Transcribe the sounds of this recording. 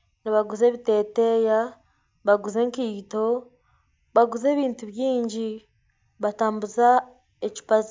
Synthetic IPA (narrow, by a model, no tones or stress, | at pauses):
niβaɡuze̞ːβite̞ːteja | βaɡuze̞ŋkiːto̞ | βaɡuze̞ːβiːntuβjiːɲɟi | βataːmbuza | eci̥pazi